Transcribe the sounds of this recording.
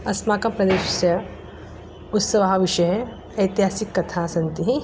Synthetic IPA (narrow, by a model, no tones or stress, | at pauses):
ɐsmaːkɐpɾɐd̪eːʃɐsjɐ | ʊt̪sɐʋɐɦaʋiʃɐje | ɐjt̪iɦaːsikːɐt̪ʰaːsɐnt̪iɦi